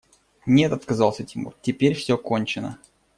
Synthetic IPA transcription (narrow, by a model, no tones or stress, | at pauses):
nʲet̪ɐt̪kɐzɑlˠsʲətʲɪmṵrtʲɪpʲeɾʲfsʲoko̞nʲt͡ɕɪnə̰